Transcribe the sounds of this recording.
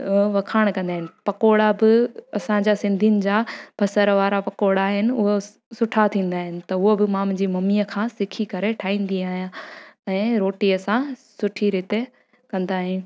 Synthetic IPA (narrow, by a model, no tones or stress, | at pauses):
ʋɐkʰaːɽ̃kɐ̃nd̪aːɦɪnɪ̆pɐkoːɽabɪɐsãd͡ʑasɪ̃nd̪ʱijnɪ̆d͡ʑaːbʰʱɐsəɾʋaːɾapɐkoːɽaːɦɪnɪ̆ʊɦo | sʊʈʰat̪ʰĩːn̆d̪aːɦɪnɪ̆t̪ɐʊɦobɪmaːmd͡ʑiːmɐmiːəkʰãːsɪkʰikɐɾeʈʰaːĩːn̆d̪iaːɦijãɛ̃ːɾoːʈiɐsãsʊʈʰiɾɪːt̪e | kɐ̃nd̪aːɦijũ